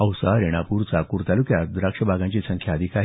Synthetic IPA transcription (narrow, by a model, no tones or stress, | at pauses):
əwsaɾeɽ̃apuːɾt͡sakuːɾt̪alukjad̪ɾakʂəbʱaɡãɲt͡ɕisə̃ŋkʰjaːd̪ʱikaɦ